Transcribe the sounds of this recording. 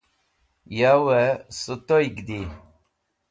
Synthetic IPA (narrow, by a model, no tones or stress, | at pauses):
jawɛsɨt̪ojɡd̪i